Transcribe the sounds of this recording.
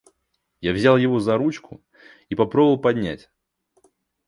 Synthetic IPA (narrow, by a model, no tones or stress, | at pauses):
javzʲalˠjɪvo̞zɐɾut͡ɕkʊ | ipɐpɾobəvəlˠpɐdʲnʲæ̰tʲ